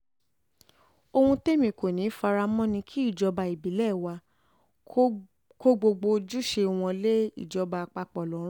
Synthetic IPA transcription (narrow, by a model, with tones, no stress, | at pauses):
o˧hũ˧te˦˨mĩ˨ko˨nĩ˨˦fa˧ɾa˧mɔ̃˦nĩ˧kʰi˦i˦˨d͡ʒɔ˧ba˧i˨bi˨˦lɛ˦˨wa˧ | ko˦ɡ͡bo˧ɡ͡bo˧d͡ʒu˦ʃe˧w̃ɔ̃˧le˦ḭ˦˨d͡ʒɔ˧ba˧k͡pa˧k͡pɔ˨lɔ˨˦ɾ̃